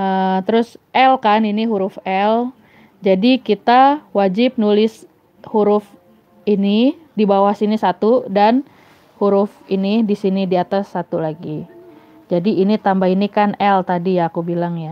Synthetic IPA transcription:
ət̪əɾʊsʔɛlkaniniɦuɾʊfɛl | d͡ʒadikit̪awad͡ʒɪp̚nulɪs | huɾʊf | ini | dibawahsinisat̪udan | huɾʊfinidisinidiat̪asːat̪ulaɡi | d͡ʒadiːnit̪ambainikanɛlt̪adijaːkubilaŋja

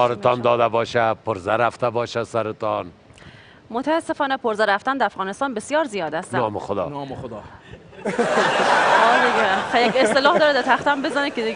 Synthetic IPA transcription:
kɒːɾet̪ʰɒːnd̪ɒːd̪æbɒːʃæpʰoɾzæɾæft̪æbɒːʃæsæɾet̪ɒn | mot̪ʰæːsːe̞fɒːnepʰoɾzæɾæft̪ænd̪ææfɣɒːnest̪ɑːnbesjɒːɾzijɒːd̪æst̪ænɒːmexod̪ɒ̰ːnːod̪ | ɒːd̪iɡexæjækʲest̪elɒːhd̪ɒːɾed̪æt̪ʰæxt̪æmbezænekʰed̪i

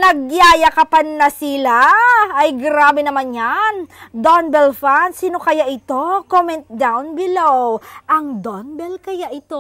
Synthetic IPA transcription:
nɐɡ̚jaːjɐkɐpannɐsɪlaɐjɡɾaːbɛnɐmanɲand̪onbɛlfansinokɐjaʔɪt̪o̞komɛnt̪̚d̪awnbɪlowʔɐŋd̪onbɛlkɐjaʔɪt̪o

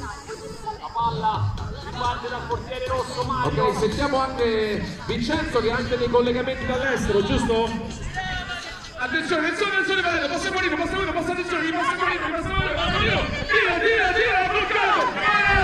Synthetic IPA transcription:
iant̪ed̪alkort̪jɛːɾeɾosːoaokːɛsmet̪ːjaːmoaŋkevint͡ʃɛntsokeaŋked̪ejkolːeɡament̪id̪alːɛst̪eɾod͡ʒust̪o | at̪̬ːensjoːneinsjonensjonevad̪ɛnːopasemoɾiːɾopasamoɾiːɾopasːat̪ːenjoːneipasːemoɾiːɾoipasaoɾiiod̪iːod̪iːod̪iːoabokːat̪o

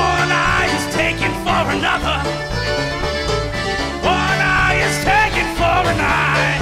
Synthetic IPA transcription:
ʌnaɪɪz̥tʰeɪkɪ̃nfə˞ɨnʌðə˞ | wʌ̃naɪɪz̥tʰeɪkɨ̃nfəɨnaɪ

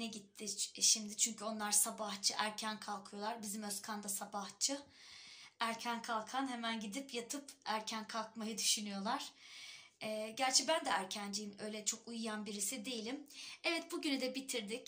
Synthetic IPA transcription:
nɛɟit̪ʰːɪʃimd̪ɪt͡ʃʰyɲcʰyo̞nlˠaɾsabaht͡ʃʰɯʔæɾcʰænkʰalˠkʰɯjo̞lˠaɾbizimøskʰand̪asabaht͡ʃʰɯ | æɾcʰænkʰalˠkʰanhemænɟid̪ipjat̪ʰɯpæɾcʰænkʰalˠkmajɯd̪yʃynyjo̞lˠaɾ̥ | ɛːɟæɾt͡ʃʰɛbænd̪ɛæɾcʰænd͡ʒijimø̞jlʲɛt͡ʃʰo̞kujujanbiɾisid̪e̞jilʲimɛvɛt̪̚buɟynyd̪ɛbit̪ʰiɾd̪ic

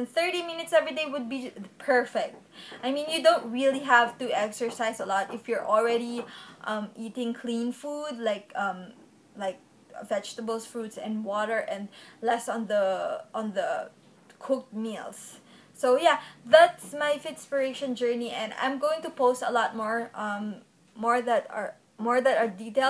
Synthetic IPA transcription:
nθɜ˞ɾimɪ̃nɪtsɛvɹideɪwʊd̚bipʰɛ˞fɛk̚t̚ʔaɪmĩnjudõʊ̃nt̚ɹiliɦæv̥tuɛksə˞saɪsəlɔtɪfjɔɹʔɔlˠɹɛɾiʔʌ̃miːtɪ̃ŋkʰlĩnfudlaɪkʌ̃m | laɪk̚ | vɛd͡ʒtəbəl̩ˠsfɹutsɛ̰̃nwɔɾə˞ʔɛ̃ndlɛsɔ̃nðəʔɔ̃nðə | kʰʊk̚t̚milsː | oʊjæðætsmaɪfɪtspəɹeʃə̃nd͡ʒɜ˞niʔɛ̃nã̰ɪ̃mɡoɪ̃ŋtupoʊstəlɔt̚mɔɹʔʌ̃mː | ɔɹðætə̰ | mɔɹðætə˞ditel

